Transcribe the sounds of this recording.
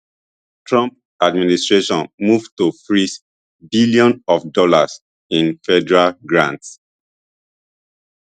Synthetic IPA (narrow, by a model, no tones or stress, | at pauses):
tɹɔ̃mp̚ | administɹeʃɔ̃nmuvtufɹis | biliɔ̃nɔfdɔlas | ĩnfɛdɛɹalɡɹãnts